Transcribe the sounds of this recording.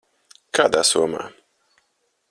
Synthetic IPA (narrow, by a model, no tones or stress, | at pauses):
kʰaːd̪aːsuɔma̰ː